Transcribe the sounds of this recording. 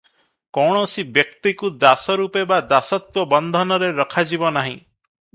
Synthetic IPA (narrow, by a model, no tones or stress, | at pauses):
kɔɽ̃ɔsibjek̚t̪ikud̪asɔɾupebad̪asɔt̪wɔbɔnd̪ʱɔnɔɾeɾɔkʰad͡ʒibɔnaɦĩ